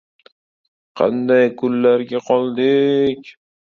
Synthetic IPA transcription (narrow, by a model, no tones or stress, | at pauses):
qʰɑ̰nd̪ajkʰʊlːaɾɡʲaqʰɒlˠd̪ɪkʲ